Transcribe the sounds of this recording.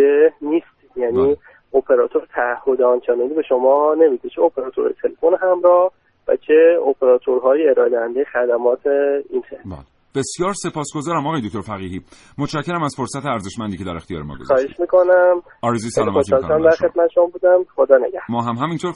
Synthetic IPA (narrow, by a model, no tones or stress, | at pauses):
eniːst̪ | jæːniː | opʰeɾɒːt̪ʰoɾet̪ʰæːhːod̪ɒnt͡ʃenenibe̞ʃomɒːne̞mid̪et͡ʃʰeopʰeɾɒːt̪ʰoɾɑ̰jt̪ʰelefonɦæmɾɒːh | væ̰t͡ʃʰeopʰeɾɒːt̪ʰoɾɦɒːjeeɾɒːed̪ehænd̪ejexæd̪æmɒːt̪ʰeinxebæ̰l | b̥e̞sjɒːɾse̞pʰɒːsɡ̥ozɒːɾæmɒɣɒːjd̪okt̪ʰoɾfæɣiːɦiː | mot̪ʃæcʰːeɾæmæz̥foɾsæt̪ʰeæɾzeʃmænd̪iːcʰe̞d̪æɾext̪ijɒ̰ːɾemɒ̰ɡɡo̰zɒːheʃmiːkʰo̞næm | ɒːɾezusælmoɑlæmd̪æɾxet̪̚mæt̪ʃombuːd̪æmxod̪ɒːnḛɡæhmɒːɦæmɦæmint̪ʰoɾ